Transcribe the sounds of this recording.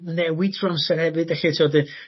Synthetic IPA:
nɛwɪdrɔnsɛrhɛvɨdɛɬitʰiɔdɨ

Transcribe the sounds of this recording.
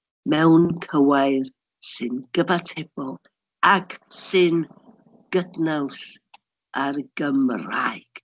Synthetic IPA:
mɛwnkʰəwajð | sɨnɡ̥əvatʰeb̥ɔlˠ | akʰsɨn | ɡ̥ədnaws | arɡ̥əmrajɡ̥

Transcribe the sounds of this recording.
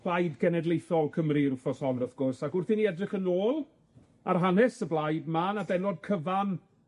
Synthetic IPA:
lajdɡɛnɛdlˠejθɔlˠkʰəmriɾufɔsɔnəθɡ̥ʊrsakʊrθiniɛdrəχənoːlˠ | a̰rɦanɛsəblˠajdmanabɛnɔd̚kʰəvan

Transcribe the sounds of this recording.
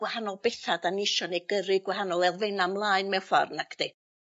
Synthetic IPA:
wahanɔlˠbɛθadanɪʃɔnejɡəɾɨɡwɛhanɔlˠɛlˠvejnamlˠaːɨnmɛfɔ̰rnakʰd̥e

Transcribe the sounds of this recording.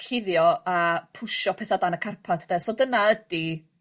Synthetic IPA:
kʰɪðjɔapʰʊʃɔpʰɛθadanakʰarpʰatʰəd̥ɛsodənaəd̥i

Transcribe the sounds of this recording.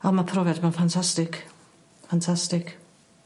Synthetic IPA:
ɔmapʰrɔvɛdmɛnfantʰastɪkʰ | fantʰastɪkʰ

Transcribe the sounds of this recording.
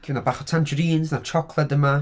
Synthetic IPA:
kʰivnabaːχɔtʰant͡ʃəɾiːnsnat͡ʃʰɔkʰlˠɛdəma

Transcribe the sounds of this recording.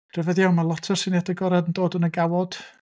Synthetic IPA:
rɛvɛðiawmalˠɔtʰɔrsɪnadəɡɔɾadən̩doːdənəɡawɔd̥

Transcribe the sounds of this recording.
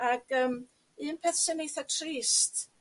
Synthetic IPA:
aɡ̥əːm | ɨːnpʰɛθsɪnejθatʰriːst

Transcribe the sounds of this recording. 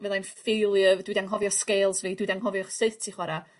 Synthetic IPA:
vɛðˠanfejlˠjəvd̥wɪdaŋɦɔvjɔskejlˠsviːdwɪdaŋɦɔvjɔχsɨðtʰiχwaɾa

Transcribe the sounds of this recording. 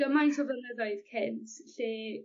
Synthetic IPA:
ɡ̥əmajntʰɔvənəðɔɨðkʰɪntʰɬeː

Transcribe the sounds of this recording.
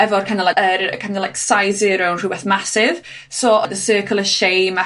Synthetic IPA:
ɛvɔrkʰandəlaəɾkʰandəlajksajzɪːɾonr̥uwbɛθmasɪv | sɔːʔɔdəsɜːkʰəlˠəʃejma

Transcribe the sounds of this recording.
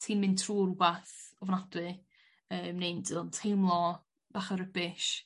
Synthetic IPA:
tʰiːnmɪntʰruːɾubaθɔvnadwɨ | əːmnejndɨlˠɔntʰejmlˠɔ | b̥aːχəɾəbɪʃ

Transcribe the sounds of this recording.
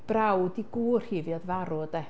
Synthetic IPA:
b̥rawdiɡuːr̥hɪvjɔdvaɾɔdɛ

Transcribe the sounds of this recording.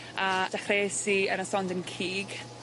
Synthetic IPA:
ad̥aχreːsiəɾasɔndənkʰiːɡ

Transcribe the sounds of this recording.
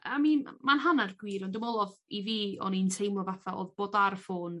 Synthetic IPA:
aminmanɦanarɡ̥wiːɾɔndɪmɔlˠɔðiviːɔ̰nintʰejmɔvaθaʔo̰ːðb̥oːdarfoːn

